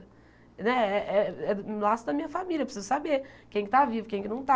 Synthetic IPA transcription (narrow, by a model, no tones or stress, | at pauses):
nɛɛʔɛɛlasʊd̪ɐmĩɲɐfamiljɐepɾsizʊsabeɾkẽj̃kɪt̪avivʊkẽj̃kɪnɐ̃w̃t̪a